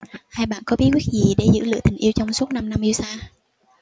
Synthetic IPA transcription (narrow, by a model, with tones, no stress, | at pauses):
haː˧jɓa̰ː˧˨nkɔ˨˦ɓi˦˥t̚wi˦˥t̚zi˨˩ɗe˧˩zɨ̰˧˥lɨ̰˧˨ət̪ï˨˩ŋ̟ʔi˧əwt͡ɕɔ˧wŋ͡msu˦˥t̚na˧mna˧mʔi˧wsaː˧